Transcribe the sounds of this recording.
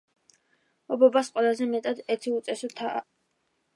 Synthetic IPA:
ɔbɔbasqʼwɛlˠazɛmɛt̪ʼad̪ɛt̪ʰiut̪sʼɛsut̪ʰa̰

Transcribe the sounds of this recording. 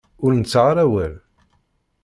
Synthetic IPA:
ʊɾnət͡sːʁɾæwæl

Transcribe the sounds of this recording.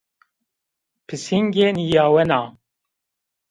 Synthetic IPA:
pʰɨsiŋɡeːnijaːwɛnaː

